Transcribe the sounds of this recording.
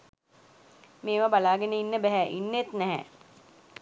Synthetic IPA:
meːʋabalaːɡenəinːəbɛɦɛʔinːet̪nɛɦɛ̰

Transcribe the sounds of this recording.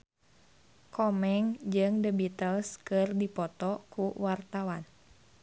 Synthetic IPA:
kɔmɛŋd͡ʒɨŋdəbit̪əlskɨrdipɔt̪ɔkuwart̪awan

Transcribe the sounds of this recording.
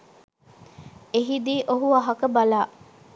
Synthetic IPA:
eɦid̪iːʔoɦuɐɦɐkɐbɐlaː

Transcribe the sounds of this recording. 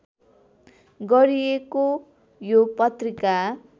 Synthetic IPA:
ɡʌɾieko | jopʌt̪rika

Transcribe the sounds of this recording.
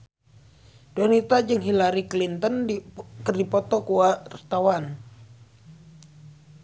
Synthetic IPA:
d̥onit̪ad͡ʒɨŋɦilaɾiklint̪ənkərdipɔt̪ɔkuart̪awan

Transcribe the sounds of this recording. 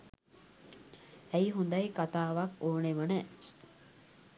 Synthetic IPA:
æiɦund̪ajkat̪aːʋakoːneʋənə

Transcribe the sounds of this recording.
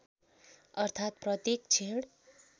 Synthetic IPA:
ʌrt̪ʰat̪̚prʌt̪jekt͡sʰeɽ

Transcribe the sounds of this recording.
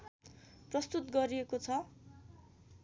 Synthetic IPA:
prʌst̪ut̪ɡʌɾiekot͡sʰʌ

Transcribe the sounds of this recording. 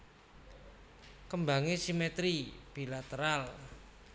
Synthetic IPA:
kəmba̤ŋesimet̪ɾib̥i̤lat̪əɾal

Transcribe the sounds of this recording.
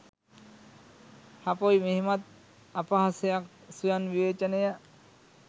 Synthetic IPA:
hapojmeɦimat̪̚ | apaɦasejak̚sujanʋiʋeːt͡ʃəneja

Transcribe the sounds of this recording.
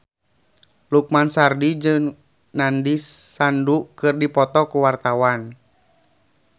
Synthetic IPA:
luk̚mansardid͡ʒɨŋ | nandisːandukɨrdipɔt̪ɔkuwart̪awan

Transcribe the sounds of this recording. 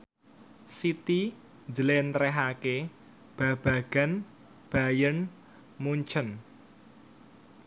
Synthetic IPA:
sit̪i | nd͡ʒəlent̪ɾɛɦake | b̥ä̤b̥a̤ɡ̥a̤n | b̥a̤jən | muɲt͡ʃən

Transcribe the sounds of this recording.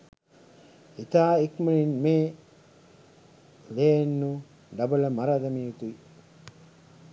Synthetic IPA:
it̪aːikməlinmeː | leːnːu | ɖɐbɐləmaɾad̪ɐmiut̪ui

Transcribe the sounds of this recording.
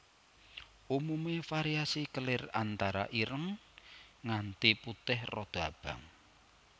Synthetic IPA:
ʔumumefaɾiasikəlɪrant̪aɾa̰ʔiɾəŋ | ŋant̪iput̪ɪhrɔd̪̥ab̥a̤ŋ

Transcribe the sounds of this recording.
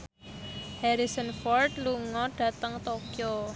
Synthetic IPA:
hɛɾisɔnfɔrt̪luŋɔɖ̥ä̤t̪əŋt̪okio

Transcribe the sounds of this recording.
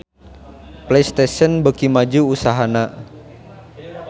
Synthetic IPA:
plejst̪esɔnbəkimad͡ʒuːsaɦana

